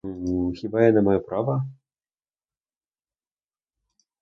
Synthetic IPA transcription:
xʲibajanamajɔpɾavɐ

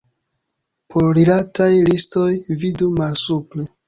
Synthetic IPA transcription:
poɾɾilatajlistojvidumalsuple

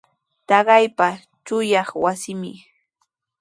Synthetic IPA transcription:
t̪ɑɢɑjpa | t͡ʃʊjɑχwasɪmɪ̰

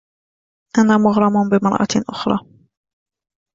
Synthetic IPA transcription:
ʔanaːmʊɣɾˤɑmʊnbɪmɑɾˤʔɑ̰ʔʊ̰xɾˤɑ̰ː

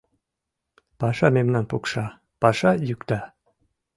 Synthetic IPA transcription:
pɑʃɑmemnænpukʃɑ | pɑʃɑjykt̪æ

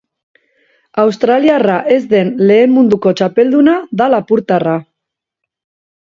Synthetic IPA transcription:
awst̪ɾaliaraʔe̞zd̪e̞nle̞ːmmund̪uko̞t͡ʃape̞ld̪unaðalapuɾt̪ara

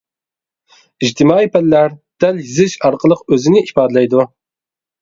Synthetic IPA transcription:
id͡ʒt̪ʰɪmɑːijpʰɛllæɾd̪̥ɛljizɪʃɑɾqʰəlˠəqøzɪnɪʔipɑːd̪ɨlˠɛjd̪u

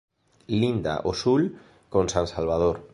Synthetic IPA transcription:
lind̪a̰ʔosul | konsansalβ̞að̞oɾ

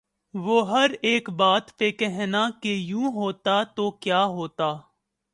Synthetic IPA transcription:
ʋoːɦɐɾeːkbaːt̪pekɛɦnakejũːɦoːt̪at̪oːkjaːɦoːt̪aː

